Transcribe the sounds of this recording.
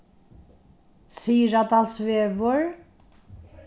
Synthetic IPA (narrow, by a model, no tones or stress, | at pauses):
siːɾat̪asveːvʊɹ